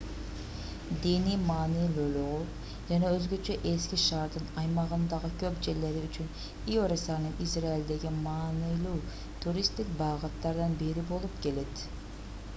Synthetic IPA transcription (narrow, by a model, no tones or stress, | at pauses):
d̪inimɑːnɨjlˠulˠʊʁʊ | d͡ʒɑnɑøzɡʲøt͡ʃʰɛʔeskʲiʃɑɾd̪ɨnɑjmɑʁɯnd̪ɑʁəkʲʰøpd͡ʒeɾleɾɪyt͡ʃʰyn | iøɾesɑɾnɨŋisɾɑild̪eɡʲimɑːnɯjlˠuw | t̪ʰuɾist̪ɪk̚ʲbɑːʁɑt̪lˠɑɾd̪ɑnbeɾibolˠupkʲeled̪